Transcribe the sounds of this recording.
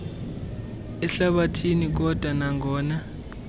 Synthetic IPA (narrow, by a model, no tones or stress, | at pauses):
ɛɬaɓatʰinik̬ɔd̥ʱwanaŋɔːna